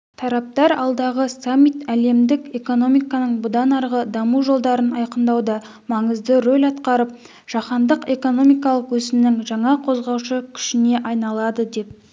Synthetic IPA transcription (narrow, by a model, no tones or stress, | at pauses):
t̪ʰɑɾɑp̚t̪ɑɾɑlˠd̪ɑʁəsamːijt̪æle̞md̪ɪke̞ko̞no̞mijkɑnəɴbʊd̪ɑnɑɾʁəd̪ɑmuʒo̞lˠd̪ɑɾənɑjqənd̪ɑwd̪ɑ | mɑɴəzd̪əɾolʲɑt̪qɑɾəp̚ | ʒ̥ɑqɑnd̪əqe̞ko̞no̞mijkɑlˠəqwɵzɪmnɪŋʒɑɴɑqʰo̞zʁɑwʃəkʲʰʏ̥ʃɪne̞ʔɑjnɑlˠɑd̪əd̪e̞p̚